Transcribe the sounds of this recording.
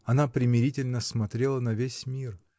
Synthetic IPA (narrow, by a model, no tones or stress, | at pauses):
ɐnapɾʲɪmʲɪɾʲitʲɪlʲnəsmɐt̪ɾʲelˠənɐvʲesʲmʲir